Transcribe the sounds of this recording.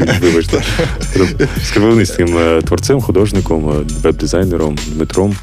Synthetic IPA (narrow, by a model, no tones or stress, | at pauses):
ʋɨʋɔt͡ʃt̪skɾskɾʋɪlnisʲɪmt̪ʋɔrt̪sɛmxʊd̪ɔʐnʲɪkɔmʋɛb̚d̪ɪzajneɾɔmd̪mɪt̪ɾɔm